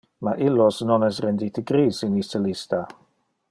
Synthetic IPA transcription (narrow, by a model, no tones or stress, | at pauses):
maʔilosnɔnɛsɾɛndiːt̪əɡɾiːsinistəlist̪a